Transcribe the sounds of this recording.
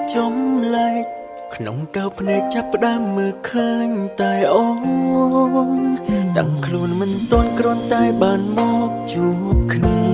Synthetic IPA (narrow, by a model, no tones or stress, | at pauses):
t͡ɕomlaɛc̚ | kʰnoŋkapʰnaɛk̚t͡ɕapːə̆ɗaəmːəːlkʰəːɲt̪aɛʔɔ | ŋt̪a̰ŋkʰluənmɨnt̪ŏənkrŏənt̪aɛɓaːnmɔk̚t͡ɕu | p̚kʰniə